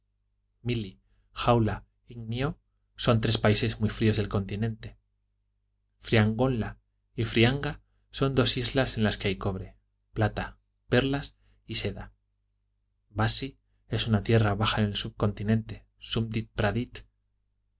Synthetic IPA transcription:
mili | xawla | iŋnjo | so̞nt̪ɾe̞spaise̞zmujfɾio̞zðe̞lko̞nt̪inẽ̞nt̪e̞̥ | fɾiaŋɡo̞nla | ifɾiaŋɡa | so̞nd̪o̞sizlase̞nlaskeajko̞βɾe̞ | plat̪a | pe̞ɾlas | ise̞ða | basi | e̞sunat̪je̞raβaxaene̞lsuβ̚ko̞nt̪inẽ̞nt̪e̞ | sumd̪it̪̚pɾaðit̪

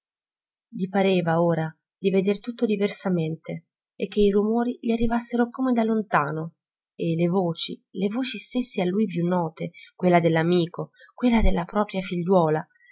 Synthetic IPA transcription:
ʎipaɾeːvaoːɾa | d̪ived̪ert̪ut̪ːod̪iversament̪e | ek̟ːeirumoːɾiʎiarːivasːeɾokomed̪alːont̪aːno | elevoːt͡ʃḭlevoːt͡ʃist̪esːealːujpjunːɔːt̪ekwelːad̪elːamiːkokwelːad̪elːapɾɔːpɾjafiʎːwɔːla

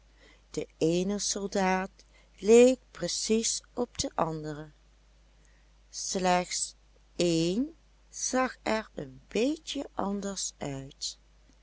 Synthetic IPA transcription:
d̥əeːjnəsɔlˠdaːt | lejk̚prəsisɔb̚dəʔɑndərə | slɛxts | eːn | z̥ɑxɛɹənbeːcjəʔɑndəɹsœɥt

